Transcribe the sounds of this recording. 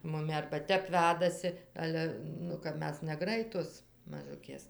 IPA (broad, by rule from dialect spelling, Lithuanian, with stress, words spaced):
mʊˈmʲɪ ɐrbɐ ˈtʲɛp ˈʋʲæːdɐsʲɪ ˈɑːlʲɛ ˈnʊ kɐp ˈmʲɛs nʲɛˈɡrɐɪtoːs mɐˈʒʊkʲeːs